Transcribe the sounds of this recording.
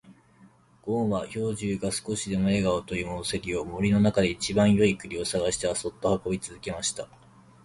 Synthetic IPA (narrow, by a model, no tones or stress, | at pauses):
ɡ̥õ̞ːɰ̃βaço̞ːʑɨːɡasɨ̥ko̞ɕid̪e̞mo̞e̞ɡaot̪o̞jʲiːmo̞se̞ɾʲio̞mo̞ɾʲino̞nakad̪e̞it͡ɕibãɰ̃jo̞ikɯ̟ɾʲio̞saɡaɕi̥t̪eβaso̞t̪ːo̞hako̞bʲit͡sɨzɨke̞maɕi̥t̪a